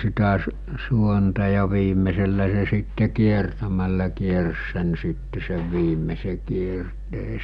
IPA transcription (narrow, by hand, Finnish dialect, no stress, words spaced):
sitæ s suontɑ jɑ ʋiːmˑeselːæ se sitːe kiertæmælːæ kiers sen sitːe seʋ ʋiːmˑese kierteː